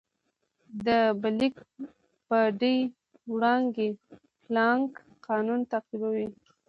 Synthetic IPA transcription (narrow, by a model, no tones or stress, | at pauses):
d̪əbalik | pəɖij | wɽɑŋɡe | plɑŋk | qɑnunt̪aqibawi